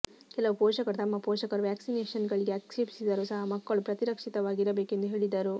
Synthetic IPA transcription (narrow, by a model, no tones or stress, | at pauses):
kɛlɐʋupɔːʃɐkɐɾt̪ɐmːɐpoːʃɐkɐɾʋjæːksineːʃɐnɡɐɭiɡeɐksebisid̪ɐɾusɐɦɐmɐkːɐɭupɾɐt̪iɾɐkʂit̪ɐʋaːɡiɾɐbeːke̞nd̪uɦe̞ːɭid̪ɐɾu